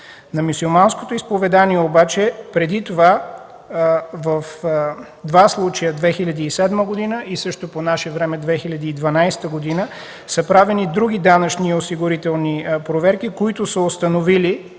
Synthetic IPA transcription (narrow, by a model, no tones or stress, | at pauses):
nɐmʲusilˠmansko̥t̪oispovɛd̪aniɛobat͡ʃɛpɾɛd̪it̪ova | vəf | d̪vaslˠut͡ʃəjəd̪vɛxilʲɐd̪iːsɛd̪məɡod̪inəʔisɤʃt̪oponaʃɛvɾɛmɛd̪vɛxilʲɐd̪iːd̪vɐnajst̪əɡod̪inə | səpɾavɛnid̪ɾuɡ̟ʲid̪anɐt͡ʃniosiɡʊɾit̪ɛlˠnipɾovɛɾk̟ikoit̪ʊsəost̪ɐnovili